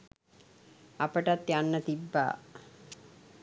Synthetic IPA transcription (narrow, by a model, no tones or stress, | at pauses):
apəʈat̪ːjanːət̪ibːa̰ː